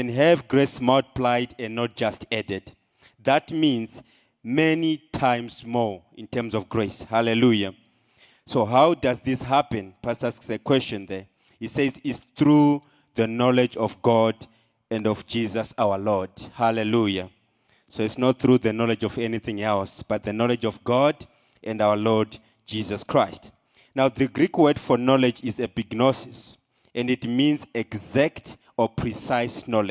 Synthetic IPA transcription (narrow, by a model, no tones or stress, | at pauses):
ɛ̃nɦɛvɡɹesmad̚pʰlajdɛ̃nnːɔt̚d͡ʒ̥astɛdɛd | ðatmĩnz | mɛnitʰãjmzmɔḭ̃ntʰɛ˞mzɔvɡɹeshalɛluja | soɦawdazðisɦapɛ̃npʰastasksəkʰwɛst͡ʃɔ̃nðɛ | isezitsθɹu | ðənɔlɛd͡ʒɔfɡɔd | ɛ̃ndɔvd͡ʒizasawəlɔdhalɛluja | soitsnɔt̚θɹuðənɔlɛd͡ʒɔvɛniθĩŋɛlsb̥at̚ðənɔlɛd͡ʒɔvɡɔd | ʔɛ̃ndawəlɔd | d͡ʒizaskʰɹ̥ajst | nawðəɡɹikʰwɛdfɔnɔlɛd͡ʒizɛbiɡnɔsis | ʔɛ̃nditmĩnzɛɡzakt | ɔpʰɹ̥isajsnɔlɛd͡ʒ